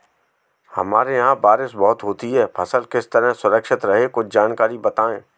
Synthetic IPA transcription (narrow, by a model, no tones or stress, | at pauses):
hɐ̰maːɾejɦãbaːɾɪʃbɔːʊt̪ɦoːt̪iɦɛːpʰɐsəlkɪst̪əɾəɦsʊɾəkʃɪt̪ɾɐɦekʊt͡ʃʰd͡ʒaːnkaːɾibɐt̪aːẽː